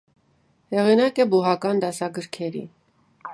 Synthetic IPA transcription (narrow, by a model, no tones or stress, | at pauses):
hɛʁinɑkɛbuɦɑkɑnd̪ɑsɑɡəɾkʰɛɾḭ